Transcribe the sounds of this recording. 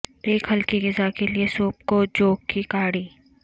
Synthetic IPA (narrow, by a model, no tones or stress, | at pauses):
eːkɦɐlkiɡɪzakeliesoːp̚kod͡ʒoːkːikaːɽiː